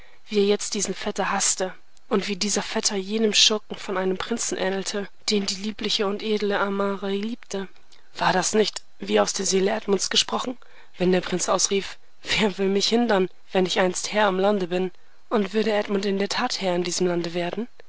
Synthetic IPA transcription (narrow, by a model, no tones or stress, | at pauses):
v̥iːeːɐjɛt͡st̚d̥iːzn̩fɛtɐhastə | ʔʊntv̥iːdiːzɐfɛtʰɐjeːnəmʃʊkŋ̩fɔnʔaɪnəmpʁ̥ɪnt͡sn̩ʔɛ̰ːnl̩tʰə | d̥eːndiːliːplɪçəʊntʔeːdl̩əamaːʁailiːptʰə | v̥aːɐdasnɪçt | v̥iːaʊsd̥eːɐzeːləʔɛtmʊnt͡sɡ̥əʃpʁ̥ɔχn̩ | vɛndeːɐpʁ̥ɪnt͡sʔaʊsʁ̥iːf | v̥eːɐvɪlmɪçhɪndɐn | vɛnɪçʔaɪnsthɛːɐɪmlandəbɪn | ʔʊntv̥ʏɐɾəʔɛtmʊntɪndeːɐtʰaːthɛːɐɪndiːzəmlandəveːɐdn̩